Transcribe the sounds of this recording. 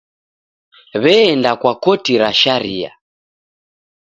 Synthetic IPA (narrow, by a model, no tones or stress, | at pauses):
βɛːndakwakɔtiɾaʃaɾia̰